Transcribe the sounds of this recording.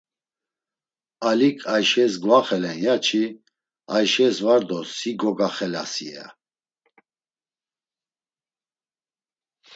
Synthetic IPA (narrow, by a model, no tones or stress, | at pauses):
alikʼʰajʃɛsɡvaχɛlɛnjat͡ʃʰi | ajʃɛsvaɾd̪ɔsiɡɔɡaχɛla̰sḭa̰